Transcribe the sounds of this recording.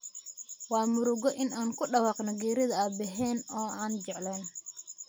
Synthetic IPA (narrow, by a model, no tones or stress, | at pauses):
wɑːmʊɾʊɣɔʔɪnaːnkʰʊɖɐwɑːqnɔɡɛːɾɪðɐabɛɦɛːnɔːaːnt͡ʃɛʕlɛːn